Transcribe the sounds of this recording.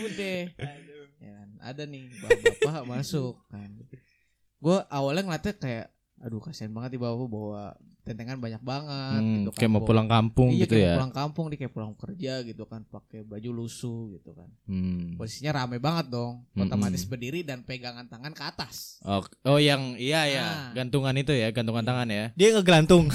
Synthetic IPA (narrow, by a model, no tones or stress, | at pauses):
udɛ | ja̰kana̰danɪhbabpaɦamasʊkːan | ɡuaʔawalɲaŋlat̪ɛkajaʔ | edukasianbaŋət̪̚nibawapabawa | t̪ɛnt̪eŋanbaɲak̚baŋət̚ɡit̪ukajamapulaŋkampʊŋɡd͡ʒaikt̪aujaulaŋkampʊŋdikajaʔpulaŋkərd͡ʒaɡit̪ukanpakebad͡ʒulusuɡit̪uka̰n̩posi̥siɲaɾamɛbaŋət̪̚dɔŋot̪omat̪ɪsbərdiɾidanpeɡaŋant̪aŋankəat̪asokɔjaŋijajaɡant̪uŋanit̪ujaɡant̪uŋant̪aŋanjadiaŋəɡlant̪ʊŋ